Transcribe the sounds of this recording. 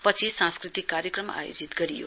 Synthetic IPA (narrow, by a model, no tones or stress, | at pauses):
pʌt͡sʰisãnskrit̪ikːaɾjekrʌma̰jo̰d͡zit̪ɡʌɾijo̰